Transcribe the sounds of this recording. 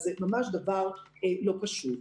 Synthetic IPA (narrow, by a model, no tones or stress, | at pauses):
zɛmamaʃd̪avaʁelopaʃut̪